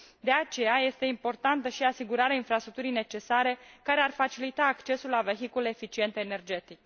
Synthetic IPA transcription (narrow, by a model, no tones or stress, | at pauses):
d̪e̞at͡ʃe̞jaje̞st̪e̞impo̞rt̪ant̪əʃiasiɡuɾaɾeainfɾast̪ɾuk̚t̪uɾijne̞t͡ʃe̞saɾe̞kaɾe̞arfat͡ʃilit̪aːkt͡ʃe̞sulːave̞ɦikule̞ːfit͡ʃie̞nt̪e̞ːne̞rd͡ʒe̞t̪ik